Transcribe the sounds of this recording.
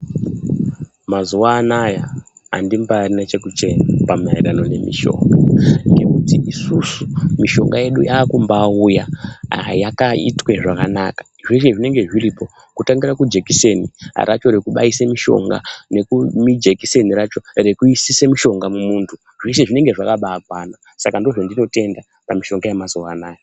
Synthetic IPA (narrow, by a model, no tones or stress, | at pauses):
mazuwaːnaja̰ː | ndimbaːrinat͡ʃe̞kut͡ʃe̞napama̰iɾano̞ne̞̰mḭʃo̞̰ŋɡaŋɡekutiisusumiʃo̞̰ŋɡaje̞ɗujaːkumbaːuja | jakaḭtweʐakanaːkḁ | ʐeʃeʐine̞ŋɡe̞ʐiripo̞ | kutaŋɡiɾakud͡ʒekisenḭɾʔa̰t͡ʃo̞ɾekuɓa̰isemiʃo̞̰ŋɡa̰ne̞kumid͡ʒekise̞niɾat͡ʃo̞rekuisisemiʃo̞ŋɡamumuːntʰu | ʐiseʐine̞ŋɡe̞ʐakaɓaːkwaːna | sakando̞ʐondino̞te̞nda | pamiʃo̞ŋɡajamazo̞wanaːjo